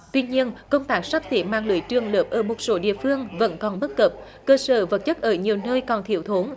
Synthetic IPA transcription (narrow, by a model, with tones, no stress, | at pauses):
t̪wi˧ɲi˧ənkə˧wŋ͡mt̪aː˦˥k̚saː˦˥k̚t̪i˨˦maː˧ŋlɨ̰˧˨əjt͡ɕɨ˨˩əŋləː˩p̚ʔəː˧˩mo˨˩t̚so˨˦ɗḭ˧˨əfɨ˧əŋvə̰˧˥nkɔ˨˩nɓə˦˥t̚kə˨˩p̚ | kəː˧səː˧˩və˨˩t̚t͡ɕə˦˥t̚ʔəː˧˩ɲi˨˩əwnəː˧jkɔ˨˩nt̪ʰi˧˩əwt̪ʰo˨˦n